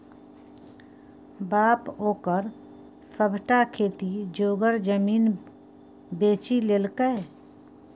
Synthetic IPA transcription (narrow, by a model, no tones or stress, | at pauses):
baːpɦoːkəɾ | səbʱʈakʰeːt̪id͡ʒoːɡəɾd͡ʒəmiːn | beːt͡ʃileːlkə